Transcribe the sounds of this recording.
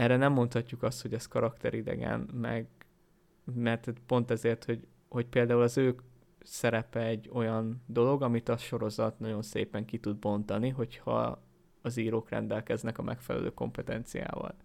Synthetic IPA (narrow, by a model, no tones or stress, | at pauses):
ɛrɛnɛmːo̞nt̪hɒcːukɒst̪ho̞ɟɛst̪̚kɒɾɒkt̪ɛɾid̪ɛ̰ɡɛ̰nmɛ̰ɡ | mɛrt̪t̪po̞nt̪ɛzeːrt̪ho̞ɟ | ho̞cpeːld̪aːulɒzøːk | sɛɾɛpɛɛɟːo̞jɒnd̪o̞lo̞ɡɒmit̪ɒʃo̞ɾo̞zɒt̪nɒɟo̞nsḛːpɛŋkit̪ud̪̚bo̞nt̪ɒniɦo̞chɒ̰ | ɒziːɾoːkrɛ̰nd̪ɛlkɛznɛkɒmʔɛ̰kfɛlɛ̰lø̰ːko̞̰mpɛt̪ɛnt̪sija̰ːvɒ̰l